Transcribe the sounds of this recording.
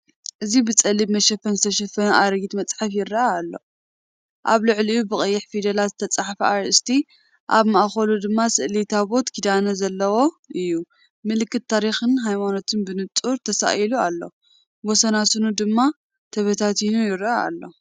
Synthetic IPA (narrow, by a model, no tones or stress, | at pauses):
ʔɨzibɨt͡sʼɐlibmɐʃɐfɐnzɨt̪ʰɐʃɐfɐnɐʔaɾɐɡit̪mɐt͡sʼħafjɪrːɐaːlːo̞̰ | ʔa̰βlɨʕlɨjubɨkʼɨjːɪħfid̪ɐlat̪zɨt̪ʰɐt͡sʼaħfiaɾʔɨst̪ʰi | ʔaβmɐʔaxɐlud̪ɨmːasɨʔlit̪ʰaβo̞t̪kʰid̪anɐzɐlːɐwo̞ | ʔɨjːu | mɨlɨkːɨt̪̚ːaɾixɨnɦajmano̞t̪ʰɨnbɨnɨt͡sʼuɾt̪ʰɐsa̰ʔilualːo̞ | wɔsɐnasɨnud̪ɨmːa | t̪ʰɐβɐt̪ʰat̪inujɪɾɐʔaa̰lːo̞̰